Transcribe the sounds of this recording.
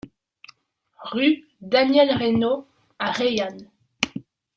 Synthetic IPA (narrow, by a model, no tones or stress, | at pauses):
ʁy | d̪anjɛlʁeno | aʁejan